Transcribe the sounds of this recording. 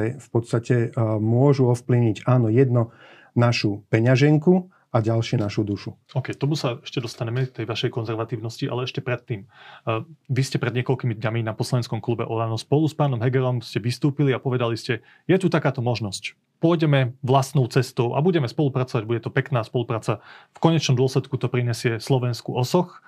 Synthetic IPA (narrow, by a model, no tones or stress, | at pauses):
ɛfpɔt̪st̪acɛmʊɔʒuɔfplivɲiɟaːnɔjɛd̪nɔ | naʃupɛɲaʒɛŋku | aɟalʃɪɛnaʃud̪uʃuɔkɛjt̪ɔmusaɛʃcɛd̪ɔst̪aɲɛmɛt̪ɛjʋaʃɛjkɔnzɛɾʋat̪iːʊnɔsciʔa̰lɛɛʃcɛpɾɛt̪ːiːm | ʋiscɛpɾɛd̪ɲɪɛkɔlkimid̪ɲaminapɔslaɛnskɔmklubɛ̰ʔɔlanɔspɔluspaːnɔmɦɛɡɛɾɔmscɛʋist̪uːpiliapɔʋɛd̪aliscɛ | jɛt̪ut̪akaːt̪ɔmɔʒnɔsc | pɔjɟɛmɛʋlast̪nɔʊt͡sɛst̪ɔʊʔa̰buɟɛmɛspɔlupɾat͡sɔʋaɟbuɟɛt̪ɔpɛknaːspɔlupɾaːt͡safkɔɲɛt͡ʃnɔmd̪ʊɔslɛt̪kut̪ɔpɾiɲɛsɪɛslɔʋɛnskuʔɔsɔx